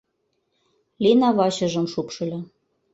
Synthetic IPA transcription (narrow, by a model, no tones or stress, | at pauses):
lʲinɑβɑɕɤ̆ʒɤ̆mʃupʃɤ̆lʲɤ̆